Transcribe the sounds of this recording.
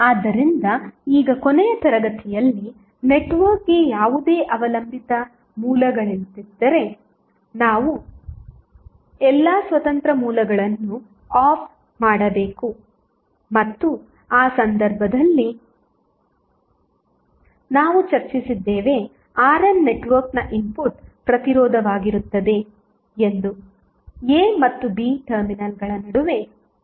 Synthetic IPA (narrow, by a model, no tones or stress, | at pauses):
aːd̪ːɐɾind̪ɐiːɡɐkonejɐt̪ɐɾɐɡɐt̪ʰijɐlːi | neʈʋɐɾkejaːʋud̪e̞ːʔɐʋɐlɐmbʱit̪ɐ | muːlɐɡɐɭint̪id̪ːɐɾe̞ | naːʋu | ɛlːaːsʋɐt̪ɐnt̪ɾɐmuːlɐɡɐɭɐnːu | aːpʰ | maːɽɐbe̞ːku | mɐt̪ːu | aːsɐnd̪ɐɾbʱɐd̪ɐlːi | naːʋut͡ʃɐɾt͡ʃisid̪ːeːʋe̞ | aːɾɐnːe̞ʈʋɐɾknɐʔimpuʈpɾɐt̪iɾɔːd̪ʱɐʋaːɡiɾut̪ːɐd̪e̞ | end̪u | eːmɐt̪ːubiːʈɐɾminɐlɡɐɭɐnɐɽuʋe̞